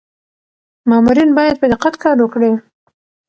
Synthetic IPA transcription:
mɑmuɾinbɑjad̪̚pəd̪ɪqat̪kɑɾwəkɽi

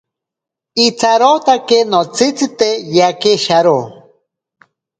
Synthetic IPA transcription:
it͡saɾot̪akenot͡sit͡sit̪ejakeʃaɾo

